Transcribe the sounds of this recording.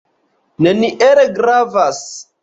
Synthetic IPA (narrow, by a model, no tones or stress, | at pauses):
neniʔeɾeɡɾavas